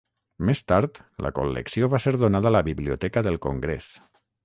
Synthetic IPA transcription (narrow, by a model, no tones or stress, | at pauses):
mest̪aɾt̪lə̰ko̰lːə̰ksioβaseɾðonaðəaːləβiβliot̪ɛkəðəlˠkoŋɡɾḛs